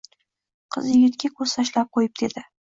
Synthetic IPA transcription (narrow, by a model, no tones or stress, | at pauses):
qʰɨ̰zjɪɡʲɪt̪kʲakʰɵz̥t̪ʰaʃlap̚qʰojɪp̚d̪̥e̞d̪ɪ